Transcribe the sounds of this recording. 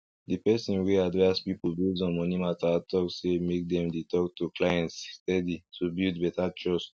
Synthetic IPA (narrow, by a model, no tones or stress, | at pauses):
d̪epɛsĩnweadɹɛsbipobuzɔ̃mɔ̃nĩmatatɔksemek̚d̪ɛ̃md̪etɔktuklajɛ̃nstɛditubudbɛtat͡ʃɔs